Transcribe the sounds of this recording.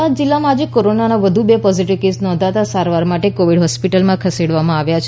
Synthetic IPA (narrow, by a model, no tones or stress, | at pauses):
ad͡ʒilːamãad͡ʒekoɾonanaʋəd̪ʱubepɔziʈiʋkesnɔ̃nd̪ʱat̪asaɾʋaɾmaʈekoʋiɽɦɔspiʈəlmãkʰəseɽʋamãaʋjat͡ʃʰ